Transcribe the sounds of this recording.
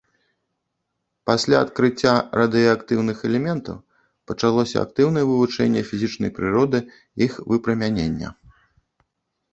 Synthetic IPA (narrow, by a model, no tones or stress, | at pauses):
pasʲlʲaɐt̪̚kɾɨt͡sʲːarɐd̪ɨjɐakt̪ɨwnɨxɛlʲɛmʲɛnt̪ɐ̰w | pɐt͡ʂalˠɔsʲɐ̰a̰k̚t̪ɨwnɐjɛvɨvut͡ʂɛnʲːɛfʲizʲit͡ʂnɐ̰jpɾɨɾɔd̪ɨ | ixvɨpɾɐmʲanʲḛnʲːɐ̰